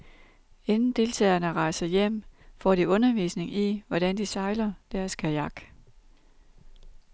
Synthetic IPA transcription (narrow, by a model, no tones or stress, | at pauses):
e̝nn̩d̥e̝ːlt͡sʰɛ̰ːɐnəʁɑ̈ɪ̰sɐjem̰fɒ̰ːd̥iɔ̽nɐʋḭːsne̝ŋiʋɒɾ̥ænd̥isɑ̈ɪlɐd̥æɐskʰæjɑ̈ɡ̥